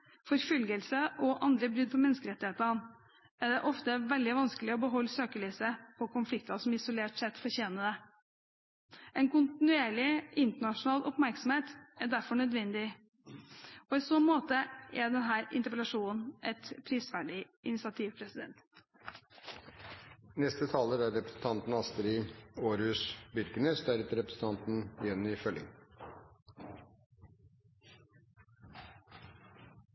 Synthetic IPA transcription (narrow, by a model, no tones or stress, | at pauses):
fɔɾfʏlɡəlsəʔɔʔɑnd̪ɾəbɾʉd̪̚pʰɔmɛnəskəɾɛt̪ːɪheːt̪ən | æɖ̪ɛʔɔft̪əʋɛld̪ɪʋɑnskəlɪɔbəɦɔlːsøːkəɭiːsəpʰɔkʊnflɪkt̪ɑsɔmɪsʊleːʈsɛt̪fɔɾçeːnəd̪ɛ | ɛnkʊnt̪ɪnʉeːɭɪɪnt̪əɳɑʂʊnɑːlʔɔpmæɾksɔmheːt̪æɖ̪æɾfɔɳœd̪ʋɛnd̪ɪ | ɔɪsɔnmoːt̪əʔæɖ̪ɛnɦæːɾɪ̰nt̪əɾpəlɑʂuːnʔɛt̪pʰɾiːsʋæːɖɪʔɪnɪsɪɑt̪ʰiːʋpʰɾɛsɪd̪ɛnt̪ | nɛst̪ət̪ʰɑːləɾæɾɾɛpɾəsn̩t̪ʰɑnt̪n̩ɑst̪əɾiːoːɾhʉːsbʏɾkənəst̪œɾət̪ɾɛpɾəsn̩t̪ɑnt̪n̩ɛnːiːfœlɪ̰ŋ